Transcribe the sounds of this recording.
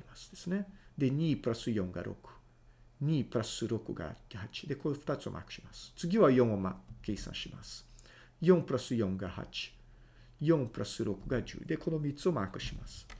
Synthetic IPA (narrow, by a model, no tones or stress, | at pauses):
imasɨ̥d̪̥e̞̥sɨne̞d̪e̞ɲ̟iːpɯ̟ɾasɨjõ̞ŋɡa̰ɾʔo̞̰kɯ̟̥ | ɲ̟iːpɯ̟ɾasɨɾo̞kɯ̟̰ɡa̰hat͡ɕi̥d̪e̞ko̞ɸɯ̥t̪at͡sɨo̞mʔa̰kɯ̟̥ɕimasɨ̥t͡sɨɡʲiβajõ̞ŋ̃oma̰ke̞ːsã̰ɰ̃ɕima̰sɨ̥ | jõ̞mpɯ̟ɾasɨjõ̞ŋɡaha̰t͡ɕi̥ | jõ̞ŋpɯ̟ɾasɨɾo̞kɯ̟ɡad͡ʑɨ̰ːd̪e̞ko̞no̞mʲit͡sɨo̞maːkɯ̟̥ɕima̰sɨ̥